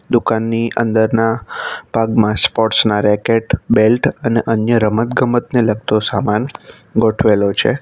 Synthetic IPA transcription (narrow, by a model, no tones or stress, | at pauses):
d̪ukanːiʔə̰nd̪əɾnapaɡmãspɔʈsnaɾɛkeʈbelʈʰəneʔənjəɾəmət̪ɡəmət̪neləɡ̚t̪osaman | ɡoʈʰʋelot͡ʃʰḛ